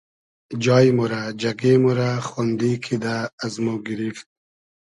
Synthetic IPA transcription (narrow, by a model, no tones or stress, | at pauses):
d͡ʒɑːjmuɾad͡ʒaɡemuɾaχond̪ikʰid̪aːzmoɡiɾift̪̚